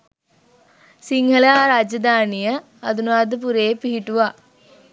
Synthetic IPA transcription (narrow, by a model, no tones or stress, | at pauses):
siŋɡɐlaːɾaːd͡ʒɐd̪aːnijɐ | ɐd̪unaːd̪ɯp̬uɾeːpiɦiʈːuʋaː